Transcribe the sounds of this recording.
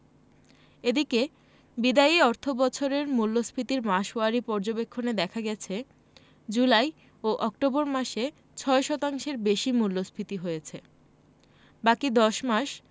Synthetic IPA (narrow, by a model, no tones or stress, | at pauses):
ed̪ike | bid̪aiɔɾt̪ʰobɔt͡ɕʰoɾeɾmulːosbʰɾit̪iɾmaʃoaɾipɔɾd͡ʑobekʰːoned̪ɛkʰaɡɛt͡ɕʰe | d͡ʑulaj | oʔɔk̚ʈoboɾmaʃe | t͡ɕʰɔeʃɔt̪aŋʃeɾbeʃimulːosbɾit̪iɦojet͡ɕʰe | bakid̪ɔʃmaʃ